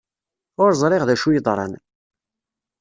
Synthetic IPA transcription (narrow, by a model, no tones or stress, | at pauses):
ʊɾzˤɾˤɪʁðæʃujəðˤɾˤɑ̰n